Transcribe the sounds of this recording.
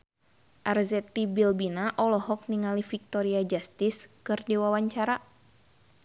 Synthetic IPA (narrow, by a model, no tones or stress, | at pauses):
ʔarzɛt̪ibilbinaʔɔlɔɦɔk̚niŋalifik̚t̪ɔɾiad͡ʒast̪iskɨrdiwawaɲt͡ʃaɾa